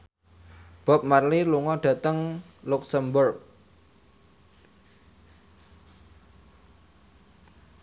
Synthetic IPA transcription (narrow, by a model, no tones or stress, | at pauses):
b̥ɔ̤p̚marliluŋɔɖ̥a̤t̪əŋ | luksəmbʊrk̚